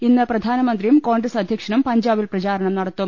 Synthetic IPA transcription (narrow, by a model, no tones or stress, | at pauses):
inːɨprɐd̪ʱaːnɐmɐnd̪rijumkoːɳɡresɐd̪ʱjɐkʂɐɳɐmpɐɲd͡ʑaːbilprɐt͡ɕaːɾɐɳɐmnɐɽɐt̪ːum